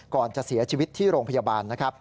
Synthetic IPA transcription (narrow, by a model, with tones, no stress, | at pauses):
kɔː˨˩nt͡ɕa˨˩ʔsi˩˦ɐt͡ɕʰiː˧wi˦t̪ʰːiː˥˩ɾoː˧ŋpʰa˧jaː˧baː˧nːa˦˥kʰɾa˦˥p̚